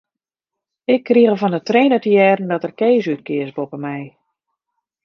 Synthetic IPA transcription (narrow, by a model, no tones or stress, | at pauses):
ɪkʰːriəɣəvɔndətreːnətəjɛːrn̩dɔtərkeːsyt̚kɪəsbopəmɛj